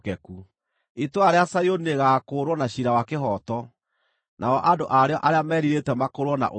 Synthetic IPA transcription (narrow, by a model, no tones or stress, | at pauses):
kɛku | itoaɾeasajonieɣaːkoːɾwɔnaɕiɾawakeɦɔtɔ | nʔaɔʔadoʔaɾeɔʔaɾeamɛːɾiɾetɛmakoɾwɔna̰ʔo